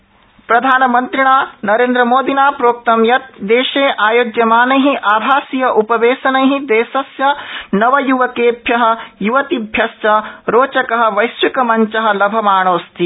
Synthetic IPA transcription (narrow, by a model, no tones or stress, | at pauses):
pɾɐd̪ʱaːnɐmɐnt̪ɾiɽ̃aːnɐɾeːnd̪ɾɐmoːd̪inaːpɾoːk̚t̪ɐmjɐt̪̚d̪eːʃeːʔaːjoːd͡ʒ̪jɐmaːnɐjɦĩʔaːbʱaːsijɐʔupɐʋeːsɐnɐjɦĩd̪eːsɐsjɐnɐʋɐjuʋɐkeːbʱjɐɦɐ̆juʋɐt̪ibʱjɐst͡ʃɐɾoːt͡ʃɐkɐɦɐ̆ʋɐjsʋikɐmɐɲt͡ʃɐɦɐ̆lɐbʱɐmaːɳ̃oːst̪i